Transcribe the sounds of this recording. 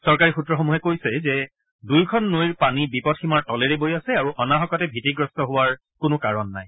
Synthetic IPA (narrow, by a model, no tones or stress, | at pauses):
sɔɹkaɹixutɹɔxomuɦɛkojsɛzɛ | dujkʰɔnːojiɹpanibipɔdximaɹtɔlɛɹɛbojasɛaɹuʔɔnaɦɔkɔtɛbʱitiɡɹɔstɔɦʊwaɹ | kʊnʊkaɹɔnːa̰j